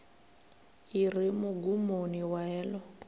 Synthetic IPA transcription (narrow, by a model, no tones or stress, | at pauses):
irimʊɡumoniwaɛːlɔ